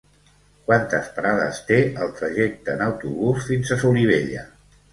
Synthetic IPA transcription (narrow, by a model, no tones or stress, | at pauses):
kwant̪əspɾaðə̰st̪eəlˠt̪ɾəʒɛk̚t̪əːnəwt̪uβ̞usfinzəsuliβ̞eʎə̰